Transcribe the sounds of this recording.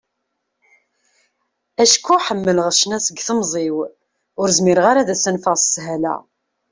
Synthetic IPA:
æʃkːuħəmːələʁʃnæsəɡθəmzˤiw | ʊɾzmɪɾəʁaɾaðæsænfəʁsːɦælæ̰

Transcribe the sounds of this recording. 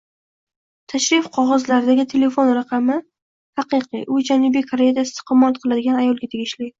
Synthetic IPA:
t̪ʰaʃɾɪfqʰɒʁɒzlaɾɪd̪aɡʲɪt̪ʰe̞le̞fo̞nɾaqʰɑmɪ | hɑqɨqʰɨ̰ʔʊd͡ʒanɪbijkʰaɾe̞jad̪aɪst̪ɪ̥qɨmːat̪̚qʰɨlˠad̪ɪɡʲanajɒlˠɡʲat̪ʰe̞ɡʲɪʃlɪ

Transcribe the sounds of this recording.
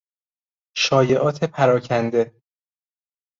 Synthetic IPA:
ʃɒːje̞ʔɒːt̪ʰe̞pʰæɾɒːcʰænd̪e̞

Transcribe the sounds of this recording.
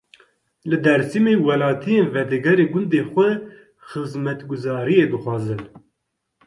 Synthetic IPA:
lɨd̪ɛɾsimeːwɛlɑːt̪ʰijeːnvɛd̪ɛɡɛɾeːɡʊnd̪eːxʷɛ | xɨzmɛt̪ɡʊzɑːɾijeːd̪ɨxʷɑːzɨn

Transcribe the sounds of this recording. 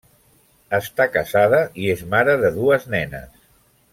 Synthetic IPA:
əst̪akəzað̞əiezmaɾəðəðuəznɛnə̰s

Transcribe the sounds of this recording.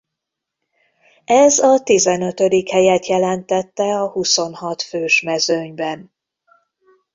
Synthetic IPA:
ɛzɒt̪izɛnø̞t̪ød̪ikhɛjɛt̪jɛlɛnt̪ɛt̪ːɛɒhuso̞nhɒt̪føːʃmɛzøɲbɛn

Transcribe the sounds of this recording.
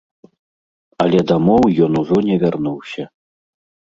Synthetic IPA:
alʲɛd̪amɔwjɔnuʐɔnʲɛvʲarnuwsʲɐ

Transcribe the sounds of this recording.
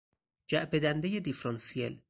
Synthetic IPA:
d͡ʒæʔbed̪ænd̪ejed̪ifɾɒnsiḛl

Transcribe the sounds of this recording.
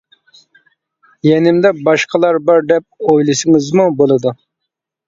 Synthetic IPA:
jɛnɪmd̪ɛbɑʃqʰəlˠɑɾbɑɾd̪ɛp̚ojlˠɨʃɨŋɨzmubolˠɨd̪u

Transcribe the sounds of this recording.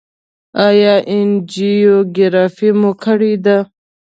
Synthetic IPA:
ajɑʔɪnd͡ʒijoɡɪɾɑfimukʰəɽid̪a

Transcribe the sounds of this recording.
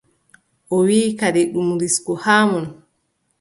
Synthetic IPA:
ʔɔwiːkadeɗumuɾiskɔhaːmɔn

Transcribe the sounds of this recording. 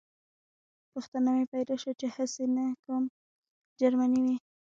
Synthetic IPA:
puxt̪anamepajlaʃat͡ʃehəsenakam | d͡ʒaɾmaniwi

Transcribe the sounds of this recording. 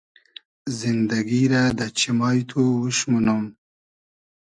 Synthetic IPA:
zind̪aɡiɾad̪at͡ʃimɑjt̪ʰowuʃmunum

